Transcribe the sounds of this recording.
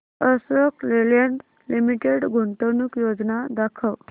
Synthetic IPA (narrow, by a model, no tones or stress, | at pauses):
əsəkleljeɳʈ | limiʈeɽɡʱoɳʈənuːkjod͡znad̪akʰəʋ